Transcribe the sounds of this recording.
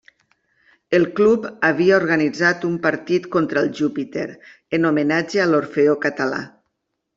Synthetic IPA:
elˠklupaβiaoɾɣanid͡zat̪umpaɾt̪it̪kont̪ɾaelˠʒupit̪ḛɾ | enomenad͡ʒealoɾfeokat̪ala̰

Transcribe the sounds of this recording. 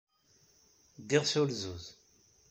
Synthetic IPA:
d̪ɪʁsʊlzuz

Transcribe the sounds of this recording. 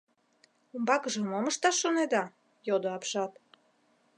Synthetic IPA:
umbɑkəʒə̆moməʃt̪ɑʃːoned̪ɑ | jod̪oɑpʃɑt̪

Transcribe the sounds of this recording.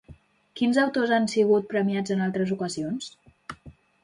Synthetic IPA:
kinzəwt̪ozansiɣut̪̚pɾəmiad͡zənalˠt̪ɾəzukəzions

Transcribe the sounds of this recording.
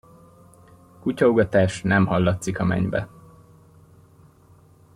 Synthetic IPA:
kucɒuɡɒt̪aːʃnɛmhɒlːɒt̪sikɒmɛ̰ɲbɛ

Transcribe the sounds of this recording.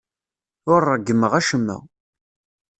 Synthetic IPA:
ʊɾˤːəɡːəmːəʁæʃəmːæ̰

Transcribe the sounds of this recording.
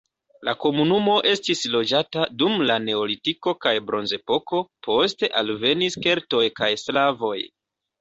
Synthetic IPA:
lako̞munumo̞ʔe̞stislo̞d͡ʒatadumlane̞olitiko̞kajbɾo̞nze̞po̞ko̞pʰo̞ste̞ʔalve̞niske̞ɾto̞jkajslavo̞j

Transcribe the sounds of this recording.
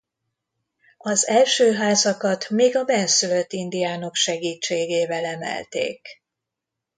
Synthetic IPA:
ɒzɛlʃøːɦaːzɒkɒt̪meːɡɒbɛnsyløt̪ːind̪ijaːno̞kʃɛɡiːt͡ʃːeːɡeːvɛlɛmɛ̰lt̪ḛːk

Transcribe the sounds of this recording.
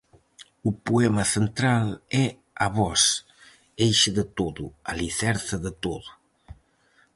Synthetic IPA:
upuɛmɐsent̪ɾalɛ | aβɔs | ejʃəðət̪oðualiθɛɾθəðət̪oðu

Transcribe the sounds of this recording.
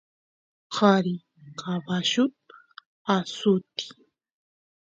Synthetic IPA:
hɑɾi | qʰabaʃʊt̪̚ | asʊt̪i̥

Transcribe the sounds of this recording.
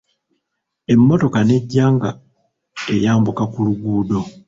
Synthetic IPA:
e̞mːo̞to̞kane̞ɟːaːŋɡa | ejaːmbukakuluɡuːdo̞

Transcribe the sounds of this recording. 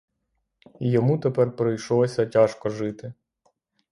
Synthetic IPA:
ijɔmut̪epɛrpɾɔjʃɔlˠɔsʲɐtʲaʃkɔʒɪt̪ɪ

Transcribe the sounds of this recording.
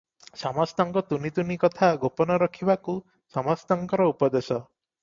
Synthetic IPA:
samɔst̪ɔŋkɔt̪unit̪unikɔt̪ʰaɡopɔnɔɾɔkʰibaku | sɔmɔst̪ɔŋkɔɾɔupɔd̪esɔ

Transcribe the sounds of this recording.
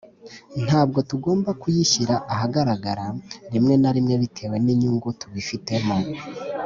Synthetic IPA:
n̥haːbɡo̞tuɡo̞ːmbakujiçiɾaʔaɦaɡaɾaɡaɾaɾimŋe̞naɾimŋe̞βitʰe̞ːwe̞niɲuŋɡutuβifite̞mo

